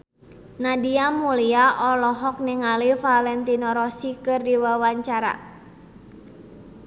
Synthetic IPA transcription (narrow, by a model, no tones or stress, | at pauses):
nadiamuliaʔɔlɔɦɔk̚niŋalifalɛnt̪inɔɾɔsikɨrdiwawaɲt͡ʃaɾa̰